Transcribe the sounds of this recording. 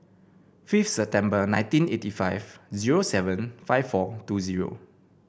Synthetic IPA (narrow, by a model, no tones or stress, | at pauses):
fiftsɛp̚tɛ̃mbənãɪ̃ntĩnetifaɪvziɹosɛvə̃nfaɪfːɔtuziɹo̰